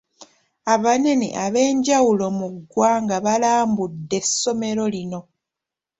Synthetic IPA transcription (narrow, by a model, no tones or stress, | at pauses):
aβane̞nḭʔaβe̞ːɲɟawulo̞muɡːwaːŋɡaβalaːmbudːe̞sːo̞me̞ɾo̞lino̞